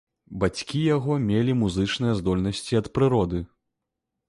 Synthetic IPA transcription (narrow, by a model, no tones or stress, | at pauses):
bat͡sʲkʲijaɣɔmʲelʲimuzɨt͡ʂnɨjɐzd̪ɔlʲnɐsʲt͡sʲiɐt̪pɾɨɾɔd̪ɨ